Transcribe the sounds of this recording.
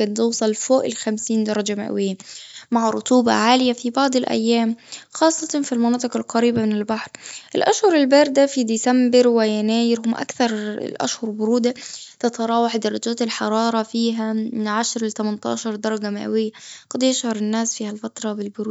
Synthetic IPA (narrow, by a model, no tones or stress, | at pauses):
kant̪uːsˤɑlfoːʔɪlxamsiːnd̪ɑɾˤɑd͡ʒama̰ʔwɪjːamaʕɾˤʊt̪uːbɑ̰ʕaːlɪjafibɑʕd̪ˤɪlʔæ̰jːaːmxɑːsˤːɑt̪filmɑnɑːt̪ˤɨqɑlqɑɾiːbamɪnɪlbaħɾʔɪlʔaʃhʊɾˤɪlbæɾˤd̪afid̪isambɪɾwɪjanaːjɪɾhʊmʔa̰kθɑɾ̰ˤlʔa̰ʃhʊɾˤbʊɾuːd̪at̪ɑt̪ɑɾˤɑːwaħd̪ɑɾˤɑd͡ʒaːt̪ɪlħɑɾˤɑːɾˤɑfiːɦaʕaʃɾˤlɪt̪æmant̪ɑ̰ːʃɑɾˤd̪ɑɾˤɑɡamaʔæ̰wɪjːaɡ̥ɑd̪jɪʃhɑɾˤɪnːaːsfiːhalfat̪ɾˤɑbɪlbʊɾuːd̪